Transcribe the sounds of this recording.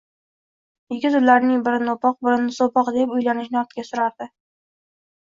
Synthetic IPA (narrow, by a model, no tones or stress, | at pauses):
jɪɡʲɪzʊllːaɾnɪŋbɪɾɪnopɒq̚bɪɾɪnsopɒqd̪epʊjlanɪʃnɪɒɾt̪kʲasʊɾaɾd̪ɪ